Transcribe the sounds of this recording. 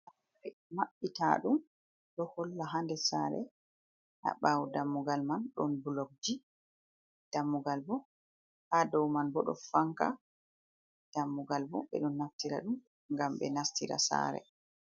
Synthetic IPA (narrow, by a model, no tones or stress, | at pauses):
ʔa | aɾɛmaɓːita̰ɗum | ɗɔhɔlːaɦandɛsaɾɛ̰ | ʔa̰ɓawdamːuɡalmanɗɔnbulɔk̚d͡ʒi | d̥amːuɡalbɔ | hadɔwmanbɔɗɔ̰faŋka | d̥amːuɡalbɔ̰ɓɛ̰ɗɔnːaftiɾa̰ɗum | ŋɡamɓɛ̰naftiɾa̰sa̰ɾɛ̰